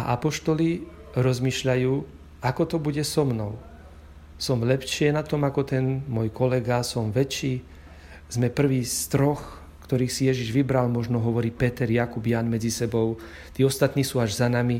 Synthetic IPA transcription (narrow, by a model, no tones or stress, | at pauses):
aʔapɔʃt̪ɔli | ɾɔzmiːʃʎajuː | akɔt̪ɔbuɟɛsɔmnɔʊ | sɔmlɛpʃɪɛnat̪ɔmakɔt̪ɛnmɔjkɔlɛɡasɔmʋɛt͡ʃiː | z̥mɛpr̩ʋiːst̪ɾɔx | kt̪ɔɾiːxsijɛʒiʒʋibɾalmɔʒnɔɦɔʋɔɾiːpɛt̪ɛɾjakubjanmɛd͡zisɛbɔʊ | t̪iːɔst̪at̪niːsuːaʒzanami